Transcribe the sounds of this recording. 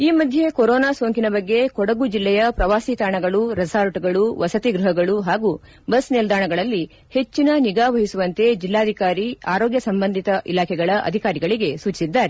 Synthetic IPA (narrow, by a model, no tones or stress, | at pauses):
iːmɐd̪ʱje̞koɾoːnaːsoːŋkinɐbɐɡːe̞kɔɽɐɡud͡ʒilːɛjɐpɾɐʋaːsiːt̪aːɳɐɡɐɭuɾɐsaːɾɐʈuɡɐɭuʋɐsɐt̪iɡɾuɦɐɡɐɭuɦaːɡu | bɐsnild̪aːɳɐɡɐɭɐlːi | he̞t͡ʃːinɐniɡaːʋɐɦisuʋɐnt̪e̞d͡ʒilːaːd̪ʱikaːɾiaːɾoːɡjɐsɐmbɐnd̪ʱit̪ɐʔilaːkʰɛɡɐɭɐʔɐ̰d̪ʱikaːɾiɡɐɭiɡe̞suːt͡ʃi̥sid̪ːaːɾe